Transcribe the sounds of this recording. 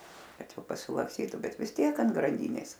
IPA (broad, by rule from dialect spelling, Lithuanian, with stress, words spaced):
ˈkɐt ˈjɛʊ pɐsʲɪlˠɐksʲˈtʲiːtʊ ˈbʲɛt ʋʲɪs ˈtʲiɛk ɐnt ɡrɐnʲˈdʲiːnʲeːs